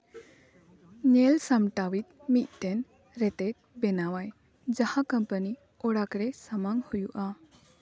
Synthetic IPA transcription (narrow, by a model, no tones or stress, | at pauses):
nɛlsamʈawit̪̚mit̪̚ˀt̪ɛn | ɾɛt̪ɛt̪̚ˀbɛnawaj | d͡ʒahakəmpəni | ɔɽakɾɛsamaŋhujuʔa